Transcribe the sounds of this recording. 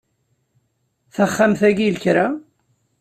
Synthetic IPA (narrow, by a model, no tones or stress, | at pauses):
θəχːamθæɡilçɾa